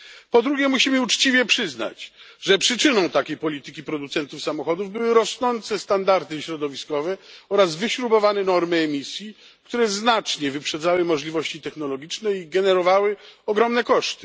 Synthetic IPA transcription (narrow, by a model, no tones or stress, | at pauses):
pɔd̪ɾuɡʲjɛmuɕimɘut͡ʂt͡ɕivʲjɛpʂɘzna̰t͡ɕʐɛpʂɘt͡ʂɘnɔ̃w̃t̪akʲejpɔlʲit̪ɘkʲipɾɔd̪ut̪sɛnt̪ufsamɔxɔd̪uvbɘwɘɾɔsnɔnt̪sɛst̪and̪aɾt̪ɘɕɾɔd̪ɔvʲiskɔvɛɔɾazvɘɕɾubɔvanɛnɔɾmɘɛmʲisʲji | kt̪uɾɛznat͡ʂɲɛvɘpʂɛd̪zawɘmɔʐlʲivɔɕt͡ɕit̪ɛxnɔlɔɡʲit͡ʂnɛiɡɛnɛɾɔvawɘɔɡɾɔmnɛkɔʂt̪ɘ̥